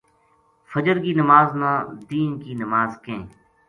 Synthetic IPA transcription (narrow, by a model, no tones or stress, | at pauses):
fəd͡ʒəɾkiːnəmaːznãːd̪iːnkiːnəmaːzkẽː